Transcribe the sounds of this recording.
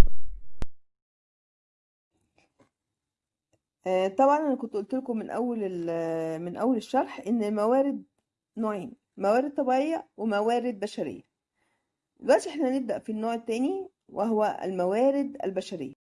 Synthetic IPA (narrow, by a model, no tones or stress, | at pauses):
t̪ˤɑbʕɑnʔænækont̪ʔolt̪elkomenʔæ̰wːæl | menʔæwːæleʃːɑɾˤħʔenːemæwæːɾed̪̚ | noːʕeːn | mæwæːɾed̪̚t̪ˤːɑbiʕejːæwemæwæːɾed̪̚bæʃæɾḛjːæ | wæʔt̪iʔeħnæneb̚d̪æʔfinːoːʕet̪ːæːni | weɦowææ̰lmæwæːɾed̪æ̰lbæʃæɾḛjːæ